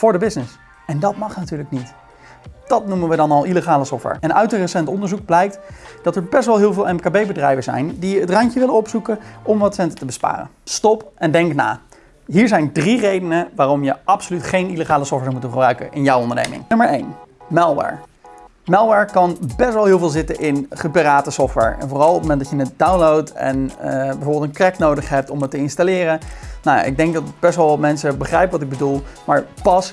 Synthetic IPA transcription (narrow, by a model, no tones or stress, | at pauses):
fʊːɹdəbɪsnɪs | ɛndɑtmɑχnatyːɹləknit | d̥ɑtnumənʋədɑnɑlˠʔiləχaːləsɔftʋɛ̰ɹʔɛnœ̰ɥtənrəsɛntɔndəɹzuɡ̚blɛjk̚td̥ɑtɛɹbɛstʋɛlˠɦɪːlˠvɪːlˠɛmkaːbejbədrɛjvəzɛ̰jndiətrɑɲcəʋɪlənɔpsukənɔmʋɑtsɛntətəbəspa̰ːrə̰nstɔpɛndɛŋkna̰ː | ɦiːɹzɛjndrirejdənəʋaːrɔmjəɑpsolytχejniləχaːləsɔftʋɛɹmutə̃χəbrœɥkənʔɪnjawɔndəɹnḛjmɪ̰ŋnɵməɹejnmɛlˠʋɛ̰ɹ | mɛlˠʋɛɹkɑnbɛsʋɛlˠɦɪːlˠvɪːlˠzɪtənʔɪnχəpiraːtəsɔftʋɛ̰ɹɛ̰nvʊːrɑlˠɔp̚momɛntdɑjənədawnlowtɛ̰nbɛjvoːbɪlˠtə̃nkrɛknowdəχɦɛp̚tɔmətːəɪnstalɪːrənawja̰ʔɪ̰ɡ̚dɛŋk̚dɑtb̥ɛsʋɑlˠʋɑtmɛnsəbəχrɛjpəʋɑtɪɡ̚bədulˠmaːɹpɑs